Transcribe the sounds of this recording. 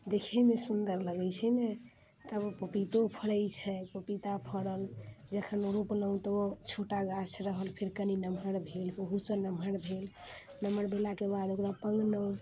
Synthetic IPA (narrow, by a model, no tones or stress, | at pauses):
d̪ekʰɛmesund̪əɾləɡɛt͡ʃʰɛnɛ | t̪əbpəpit̪opʰəɽəjt͡ʃʰɛpəpit̪apʰəɽəld͡ʒəkʰənoɾupələw̃t̪ot͡ʃʰoʈaɡasɾəɦəlpʰeɾkəninəmɦəɾbʱelbəɦusənəmʱəɾbʱelnəməɾbʱelakebad̪okɾapəŋɡnəw̃